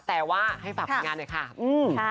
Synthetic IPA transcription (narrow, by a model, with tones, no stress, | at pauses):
t̪ɛː˨˩waː˥˩ha˥˩jpa˨˩˧ŋaː˧nːa˨˩kʰa˥˩ʔɯː˧mʰa˥˩